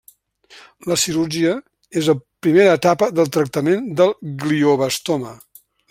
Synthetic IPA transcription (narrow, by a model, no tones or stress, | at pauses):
ləsiɾuɾʒiə | ezəpɾimeɾəːt̪apəðəlˠt̪ɾək̚t̪əmend̪əlˠɡlioβəst̪omə